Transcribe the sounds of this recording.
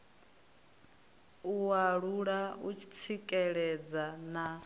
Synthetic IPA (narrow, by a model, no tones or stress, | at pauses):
uwaɺuɺaut͡ʃʰi̥t͡sʰikʼɛɺɛd͡zana